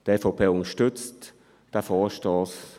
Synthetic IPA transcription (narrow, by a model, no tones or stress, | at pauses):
d̥efopʰeːʊnəʃtʏt͡st | d̥əfɔːʃtɔːs